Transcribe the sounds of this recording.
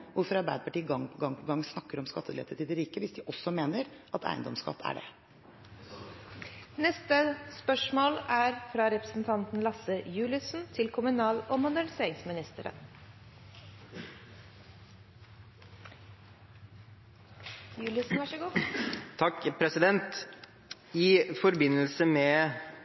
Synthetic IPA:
ʋʊɾfɔɾɑɾbæɪd̪əpɑʈiːɡɑŋːpʰɔɡɑŋːpʰɔɡɑŋsnɑkːəɾɔmskɑt̪ʰːəlḛːt̪ət̪ɪd̪ɪɾiːkəʋɪsd̪ɪʔɔsːɔmeːnəɾʔɑt̪ʰæ̰ɪənd̪ɔmskɑ̰t̪ːæ̰ɖɛ̰ | nɛst̪əspœʂmoːlæɾfɾɑːɾɛpɾə̥sn̩t̪ʰɑnt̪n̩lɑsəjʉːlɪsn̩t̪ʰɪlkʰʊmʉnɑːlɔmʊd̪æɳɪseːɾɪŋsmɪnɪst̪əɾə̰ | jʉːləsn̩ʋæʂəɡuːt̪ʰɑkːpʰɾɛsɪd̪ɛnt̪ | ɪfɔɾbɪnːəlsəmɛ

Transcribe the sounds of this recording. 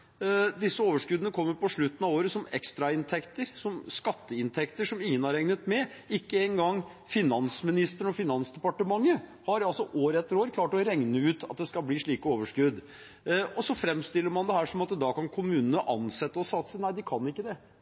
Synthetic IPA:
d̪ɪsːəoːʋəʂkʉd̪ənəkʰɔmːəɾpɔʂɭʉt̪ːən̩ɑʋoːɾəsɔmɛkst̪ɾɑɪnt̪ʰɛkt̪əɾsɔmskɑt̪ːəɪnt̪ʰɛkt̪əʂɔmɪŋːənhɑɾɛŋnət̪mɛɪkːəɛŋɡɑŋ | fɪnɑnsmɪnɪst̪əɳɔfɪnɑnsd̪ɛpɑʈəmɑŋːəhɑɾɑlsɔʔoːɾɛt̪ːəɾoːɾkʰlɑːʈɔɾɛŋnəʉːt̪ʰɑ̰t̪̚d̪ɛskɑlbliːʂɭiːkəoːʋəʂkʉd̪ | ɔsɔfɾɛmst̪ɪlːəɾmɑnd̪ɛhæːʂɔmɑt̪d̪ɑːkɑnkʰʊmʉːnənəʔɑnsɛt̪ːəɔsɑt̪sənæɪd̪ɪkʰɑnɪkːəd̪ɛ

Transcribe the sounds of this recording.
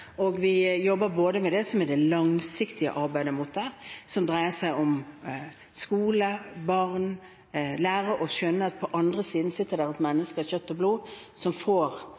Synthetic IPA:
ɔɡʋɪjɔbːəɾboːd̪əmɛd̪ɛsɔmɛd̪ɛlɑŋsɪkt̪ɪə̰ʔɑɾbæɪd̪əmut̪̚d̪æʁsɔmd̪ɾæɪəsæɪɔm | skuːləbɑʁn | læːɾəʔɔɕœnːəɑt̪̚pʰɔʔɑnd̪ʁəsiːd̪n̩sɪt̪ːəɾd̪æʁɛt̪mɛnːəskəçœt̪ːɔbluː | sɔmfoːɾ

